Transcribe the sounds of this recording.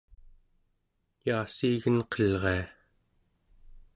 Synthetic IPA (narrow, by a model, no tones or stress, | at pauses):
jaːsiːɣənqʌlʁe̞a